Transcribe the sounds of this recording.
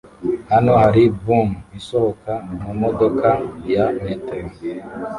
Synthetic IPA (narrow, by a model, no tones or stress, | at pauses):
hano̞haɾibumisohokamumodo̞kajaneteɡi